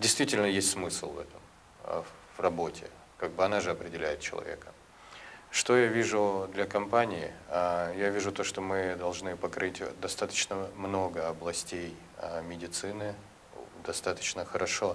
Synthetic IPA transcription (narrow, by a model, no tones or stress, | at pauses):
dʲɪjst̪vʲitʲɪlʲnəjesʲtʲsmɨsl̩ˠvɛ̰t̪əm̰ | vrɐbo̞tʲɪ̰ | kaɡ̚bɨɐnaʐɨɐpɾʲɪdʲɪlʲæ̰jɪt̪̚t͡ɕɪlˠɐ̰vʲḛkə | ʂt̪o̞javʲiʐʊd̪lʲɐkɐmpanʲɪɪjavʲiʐʊt̪o̞ʂt̪omɨd̪ɐlˠʐnɨpɐkɾʔɨtʲd̪ɐst̪at̪ə̥t͡ɕnəmno̞ɡəɐblˠɐsʲtʲej | mʲɪdʲɪt̪sɨnɨ | d̪ɐst̪at̪ə̥t͡ɕnəxəɾɐʂo̞